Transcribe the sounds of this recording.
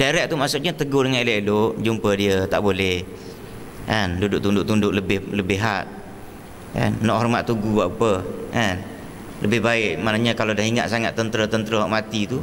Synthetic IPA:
daɾɛʔ̚t̪umaʔsʊʔ̚ɲat̪əɡʊhdəŋanileʔloʔd͡ʒumpədiət̪a̰ʔbolɛh | kandudʊʔ̚t̪undʊʔ̚t̪undʊʔləbɪhləbɪɦaʔ | ka̰nːɔʔɦɔrmat̪ːuɡubaʔapəkan | ləbɪhbaɪʔmaʔnaɲakalodahiŋa̰ʔ̪̚saŋat̪ːənt̪ɾət̪ənt̪əɾəɦɔʔmat̪it̪u

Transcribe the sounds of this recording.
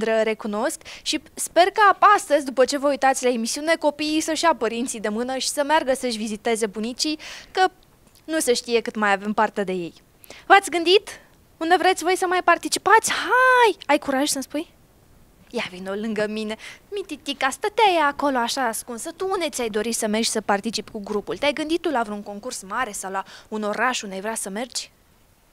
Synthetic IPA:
d̪ɾəɾe̞kuno̞skʃispe̞rkapast̪əzʲd̪upət͡ʃe̞vəujt̪at̪sʲlae̞misiune̞ko̞piisəʃiapəɾint̪sijd̪e̞mɨnəʃi̥səmearɡəsəʃʲvizit̪e̞ze̞bunit͡ʃikə | nuseʃt̪ije̞kɨt̪majave̞mpart̪e̞d̪e̞je̞j | vat̪sʲɡɨnd̪it̪ | und̪e̞vɾe̞t̪sʲvo̞jsəmajpart̪it͡ʃipat̪sʲhajajkuɾaʒʲsəspuj | javinolɨŋɡəmine̞mit̪it̪ikast̪ət̪eajeako̞loaʃaːskunsət̪uund̪e̞t̪sʲajd̪o̞ɾisəme̞rd͡ʒʲsəpart̪it͡ʃipʲkuɡɾupult̪eajɡɨnd̪it̪t̪ːulavɾeuŋko̞ŋkursmaɾe̞sawlauno̞ɾaʃund̪ajvɾeasəme̞rd͡ʒʲ

